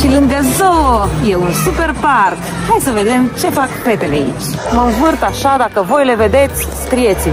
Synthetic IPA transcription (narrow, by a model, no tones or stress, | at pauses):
t͡ʃiləŋɡɛzɔjɛunsupɛɾpaɾk | hajsəvɛd̪ɛmt͡ʃɛfakpɛt̪ɛlɛḭt͡ʃməwvəɾt̪aʃad̪akəvɔjlɛvɛd̪ɛt͡s | st̪ɾjɛt͡si